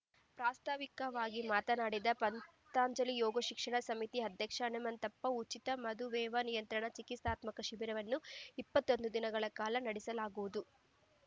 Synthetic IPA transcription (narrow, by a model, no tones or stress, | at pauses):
pɾaːst̪aːʋikɐʋaːɡimaːt̪ɐnaːɽid̪ɐpɐn | t̪aːɲd͡ʒɐlijɔːɡoʃikʂɐɳɐsɐmit̪iɐd̪ʱjɐkʂɐːnɐmɐnt̪ɐpːɐut͡ʃit̪ɐmɐd̪ʱuʋɛːʋɐnijɐnt̪ɾɐɳɐt͡ʃikist̪aːt̪mɐkɐʃiʋiɾɐʋɐnːuipːɐt̪ːo̞nd̪ud̪inɐɡɐɭɐkaːlɐnɐɽisɐlaːɡuʋud̪u